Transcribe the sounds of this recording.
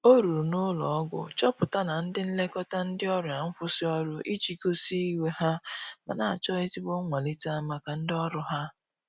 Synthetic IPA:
o˦ɾu˨ɾnʊ˦lɔ̰˨ɔ˦ɡʷʊ̰˨t͡ʃɔ˦pʊ˨ta˦na˨n̩˦dɪ˦n̩˦le˦kɔ˦ta˦n̩˦dɪ˦ɔ˦ɾʊ˨a˨ŋ̩˦fʊ˦sɪ˦ɔ˦ɾʊ˦ʔi˦t͡ʃi˨ko˦si˦i˦we˦ha˦ma˨na˨a˨t͡ʃɔ˦e˦zi˦bo˦ŋʷa˨li˦ta˦a˦ma˦ka˨n̩˦dɪ˦ɔ˦ɾʊ˦ɦa˦

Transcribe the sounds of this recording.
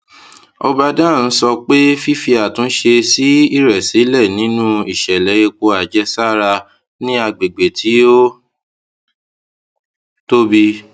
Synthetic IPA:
ɔ˧ba˧dã˦˨n̩˦sɔ˧k͡pe˦fi˦fi˧a˨tũ˨˦n̩˦ʃe˧si˨˦i˦ɾɛ˨si˨˦lɛ˦˨nĩ˨˦nũ˦i˦˨ʃɛ˨lɛ˨˦je˧k͡po˧a˨d͡ʒɛ˧˦sa˦˨ɾa˧ | nĩ˦a˧ɡ͡be˨ɡ͡be˨tʰi˨˦o˦ | to˦bi˧

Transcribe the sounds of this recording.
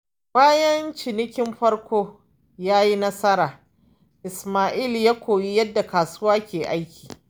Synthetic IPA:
baː˦jɐ˦nt͡ʃɪ˨nɪ˦kʲɪ˦mɸɐ˦rkʷʰoː˦ | jaː˦ji˦nɐ˦sɐ˦ɾaː˨ | ʔɪ˨smaː˨ʔiː˦˨ljaː˦kʷʰoː˨ji˦jɐ˦dːa˨kaː˨su˦waː˦kʲeː˨ʔa˦jkʲi̥ː˨

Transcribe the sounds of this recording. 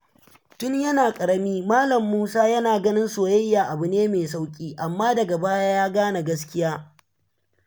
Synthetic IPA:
tʊ˦ɲjɐ˦naː˨kʼɐ˨ɾɐ˦miː˦maː˦lɐ˨mːuː˦saː˦jɐ˦naː˨ɡɐ˦nɪ˦nsoː˨jɐ˦jːaː˨ʔa˨bʊ˨neː˦meː˨sa˦wkʲʼiː˦ʔa˨mːaː˦dɐ˨ɡa˨baː˦jaː˦jaː˦ɡaː˦na˨ɡɐ˦s̬kʲɪ˦jaː˦

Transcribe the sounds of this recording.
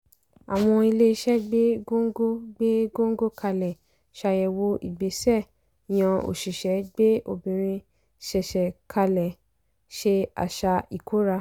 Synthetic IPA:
a˨w̃ɔ̃˧i˧le˦i˧˦ʃɛ˦ɡ͡be˦ɡo˦ŋ˦ɡo˦ɡ͡be˦ɡo˦ŋ̩˦ɡo˦kʰa˧lɛ˨ | ʃa˧jɛ˧wo˧ʔi˨ɡ͡be˨˦sɛ˦˨ | j̃ã˨˧o̰˨ʃi˨ʃɛ˨˦ɡ͡be˦ʔo˨bĩ˨ɾ̃ĩ˧ | ʃɛ˨ʃɛ˨kʰa˧lɛ˨ | ʃe˧a̰˨ʃa˧i˨kʰo˨˦ɾa˧

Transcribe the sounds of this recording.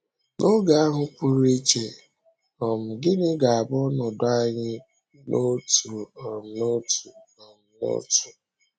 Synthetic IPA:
no˦ɡa˨a˦ɦʊ˦ku˦ɾi˦t͡ʃe˨ | ɔ˨m̩˨ɡɪ˦nɪ˦ɡa˨a˨bɔ˦nɔ˨dʊ˦a˦ɲɪ˦ | nʔo˦tu˨ɔ˨m̩˨no˦tu˨ɔ˨m̩˨no̰˦tu̥˨

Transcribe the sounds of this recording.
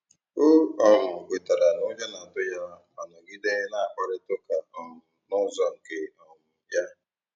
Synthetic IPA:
o˦ɔ˦mʊ˨kʷe˨ta˨ɾa˨nʊ˦d͡ʒa˦na˨tʊ˦ja˦a˨nɔ˨ɡi˦de˦ɦe˦na˦a˨kʷa˦ɾɪ˦tʊ˦ka˨ɔ˨mʊ˨nʊ˦zɔ˦ŋ̩˨ke˨ɔ˨mʊ˨ja˦

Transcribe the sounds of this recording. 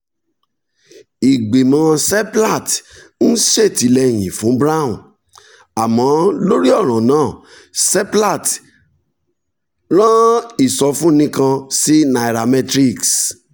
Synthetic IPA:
i˨ɡ͡be˨mã˧sɛ˦pla˦˨t | n̩˦ʃe˦˨ti˨˦lɛ˧j̃ĩ˨fũ˨˦bɾa˦˨ṵ̃˨ | a˨mã˨˦lo˦ɾi˦ɔ˦˨ɾ̃ã˨nãː˦˨ | sɛ˦pla˦˨t | ɾ̃ã˦i˦˨sɔ˧fũ˦nĩ˦kã˧si˦na˧i˨ɾa˧mɛ˦tɾi˦˨ks

